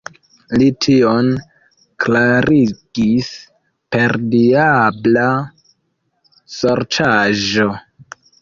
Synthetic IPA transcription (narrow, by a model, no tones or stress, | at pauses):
litʰio̞n | klaɾʔiɡ̥is | pe̞ɾdiabla | soɾt͡ʃaʒo̞